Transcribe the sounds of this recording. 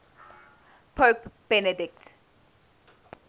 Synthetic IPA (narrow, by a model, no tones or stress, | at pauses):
pʰopb̥ɛnədɪk̚t